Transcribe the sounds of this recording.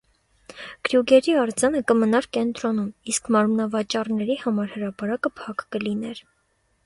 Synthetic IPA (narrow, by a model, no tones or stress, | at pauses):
ɡ̥ɾjuɡɛɾiɑɾd͡zɑnəkəmənɑɾkɛnt̪ɾɔnumiskʰmɑɾmnɑvɑt͡ʃɑrnɛɾihɑmɑɾhəɾɑpɑɾɑkəpʰɑkkəlinɛɾ